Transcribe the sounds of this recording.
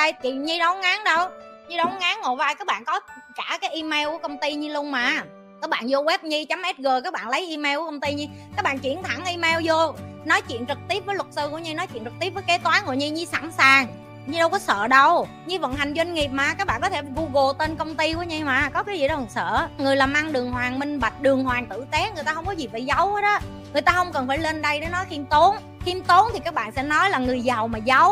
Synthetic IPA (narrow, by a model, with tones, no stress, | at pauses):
ɗə˧jt͡ɕi˨˩ɲi˧ɗə˨˦wŋaː˨˦ŋɗə˧w | ɲi˧ɗɔ˨˦wŋaː˨˦ŋŋo˨˩vaː˧jkaː˦˥k̚ɓa̰ː˧˨kɔ˨˦kaː˧˩kaː˨˦jʔi˧me˧wku˧˩əkə˧wŋ͡mt̪i˧ɲɨ˧lʊ˧əŋ͡mmaː˨˩ | kaː˦˥k̚ɓa̰ː˧˨nzo˧wɛ˦˥p̚ɲi˧t͡ɕa˨˦mʔɛ˦˥t̚ɣəː˨˩kaː˦˥k̚ɓa̰ː˧˨nlə˨˦jʔi˧me˧wkːkə˧wŋ͡mt̪i˧ɲi˧kaː˦˥k̚ɓa̰ː˨nt͡ɕi˧˩ənt̪ʰa˧˩ŋʔi˧me˧wzo˧nɔ˨˦jt͡ɕwḭ˧˨ənt͡ɕɨ˨˩k̚t̪i˦˥əp̚vəː˨˦jlwə˨˩t̚sɨ˧ku˧˩əɲi˧nɔ˨˦jt͡ɕwḭ˧˨ənt͡ɕɨ˨˩k̚t̪i˦˥p̚vːjke˨˦˥t̪waː˨˦nŋo̰˧˨ɲi˧ɲi˧sa̰˧˩nsaː˨˩ŋ | ɲɨ˧ɗə˧wkɔ˨˦sə̰ː˧˨ɗə˧w | ɲɨ˧və̰˧˨nɦa˨˩jŋ̟zwa˧ŋŋi˨˩p̚maː˨˩kaː˦˥k̚ɓa̰ː˧˨nkɔ˨˦t̪ʰe˧˩vu˧ɣo˨˩t̪e˧nkə˧wŋ͡mt̪i˧kṵ˧˥˦ɲi˧maː˨˩kɔ˨˦kaː˨˦zi˧˨˩ɗɔ˧wŋsə̰ː˧˨ŋɨ˨˩əjlaː˨˩maː˧ŋɗɨ˨˩əŋhɦwaː˨˩ŋmï˧ŋ̟ɓa˨˩jk̚ɗɨ˨˩əŋhwaː˨˩ŋt̪ɨ̰˧˨t̪e˨˦ŋ˨˩əjt̪aː˧hə˧wŋ͡mkɔ˨˦zi˨˩vəː˧˨˩za˨˦whə˨˦jɗɔ˨˦ | ŋɨ˨˩əjt̪aː˧hə˧wŋ͡mkə˨˩nfaː˧˩jle˧nɗə˧jɗe˨˦nɔ˨˦jxi˧mt̪o˨˦n | xi˧mt̪o˨˦nt̪ʰi˨˩kaː˦˥k̚ɓa̰ː˧˨nsɛ̰˧˥nɔ˨˦jlaː˨˩ŋɨ˨˩əjza˨˩wmaː˨˩za˨˦w